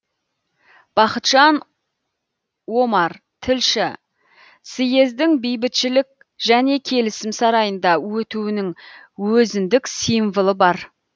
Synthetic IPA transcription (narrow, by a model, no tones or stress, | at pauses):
b̥ɑqət̪ʒ̥ɑn | wo̞mɑɾ | t̪ʰɪlʃɪ | sɪje̞zd̪ɪŋbejbɪt̪ʃɪlɪk̚ | ʒ̥æne̞kʲʰe̞lɪsɪmsɑɾɑjənd̪ɑwɵt̪uwɪnɪŋwɵzɪnd̪ɪksijɱvəlˠəbɑɾ